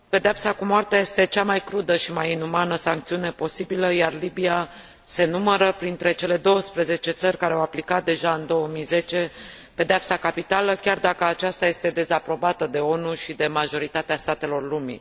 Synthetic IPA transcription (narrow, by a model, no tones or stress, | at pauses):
pe̞d̪eapsakumoart̪eajest̪e̞t͡ʃamajkɾud̪əʃimajinumanəsaŋkt̪siune̞po̞sibiləjarlibia | se̞numəɾəpɾint̪ɾe̞t͡ʃe̞le̞d̪o̞wəspɾeze̞t͡ʃe̞t̪sərʲkaɾeawaplikat̪̚d̪e̞ʒaɨnd̪o̞wəmijze̞t͡ʃe̞ | pe̞d̪eapsakapit̪aləkʲard̪akəat͡ʃast̪aje̞st̪e̞d̪e̞zapɾo̞bat̪əd̪e̞o̞nuʃid̪e̞maʒo̞ɾit̪at̪east̪at̪e̞lo̞rlumḭ